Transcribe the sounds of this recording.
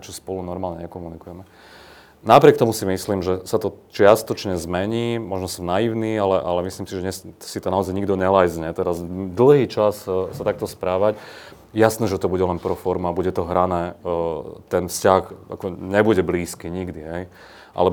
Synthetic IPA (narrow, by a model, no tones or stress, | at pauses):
t͡ʃɔspɔlunɔɾmaːlɲɛɲɛkɔmunikujɛmɛ | napɾɪɛk̚t̪ɔmusimisliːmʒɛsat̪ɔt͡ʃɪast̪ɔt͡ʃɲɛzmɛɲiːmɔʒnɔsɔmnajiʊniːalɛʔalɛmisliːmsiʒɛɲɛssit̪ɔnaɔzajɲiɡd̪ɔɲɛlajzɲɛt̪ɛɾazd̪l̩ˠɦiːt͡ʃassat̪ak̚t̪ɔspɾaːʋac | ɛjasnɛːʒɛt̪ɔbuɟɛlɛnpɾɔfɔɾmabuɟɛt̪ɔɦɾanɛː | t̪ɛnfscaxa̰kɔɲɛbuɟɛbliːskiːɲiɡd̪iɦɛj | ʔa̰lɛ